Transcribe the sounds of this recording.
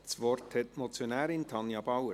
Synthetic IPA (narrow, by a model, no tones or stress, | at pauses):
sʋɔrthɛtmɔt͡sjonɛːɾɪntʰɑnjɑbɑwə